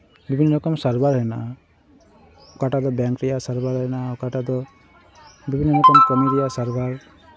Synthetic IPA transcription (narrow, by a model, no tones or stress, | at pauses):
bibʱinːɔkɔmsaɾbaɾɦɛna̰ | kaʈad̪ɔbjaŋkɾɛjasaɾbaɾɦɛnakaʈad̪ɔ | bibʱinːɔɾɔkɔmkɔmiɾijasaɾbaɾ